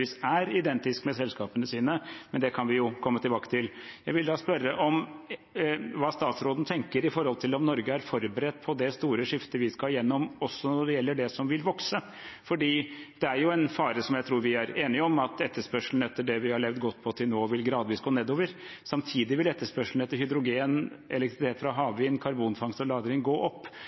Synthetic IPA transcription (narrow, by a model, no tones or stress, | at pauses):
isæɾɪd̪ɛnt̪ɪskmɛsɛlskɑːpənəsiːnəmɛnd̪ɛkʰɑnʋɪjʊkʰɔmːət̪ʰɪlbɑːkə̥t̪ʰɪljæɪʋɪld̪ɑːspœɾːəʔɔm | ʋɑːst̪ɑːt̪sɾoːd̪n̩t̪ʰɛŋkəɾɪfɔɾhɔlt̪ʰɪlɔmnɔɾɡəæɾfɔɾbəɾɛt̪ːpʰɔd̪ɛst̪uːɾəʂɪft̪əʋɪskɑjɛnːɔmɔsːɔnɔɖɛjɛlːəɖɛsɔmʋɪlʋɔksə | fɔɖiːd̪̥ɛæɾjʊɛnfɑːɾəsɔmjæɪt̪ʰɾuːɾʋɪæɾeːnɪɔmɑt̪ɛt̪ːəʂpœʂln̩ɛt̪ːəɖɛʋɪhɑɭɛʋd̪ɡɔt̪ːpʰɔt̪ʰɪlnoːʋɪlɡɾɑːd̪ʋiːsɡoːneːd̪oːʋəɾ | sɑmt̪ʰiːd̪ɪʋɪlɛt̪ːəʂpœʂl̩ɛt̪ːəɾhʏd̪ɾʊɡeːnʔɛlɛk̚t̪ɾɪt̪ʰeːt̪fɾɑɦɑːʋʋɪnkʰɑɾbuːnfɑŋst̪ɔlɑːd̪ɾɪŋɡoːʔɔpː